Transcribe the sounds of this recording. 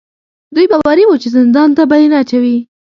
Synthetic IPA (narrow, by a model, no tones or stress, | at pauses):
d̪ujbawwaɾiwut͡ʃezɪnd̪ɑnt̪abajenat͡ʃawi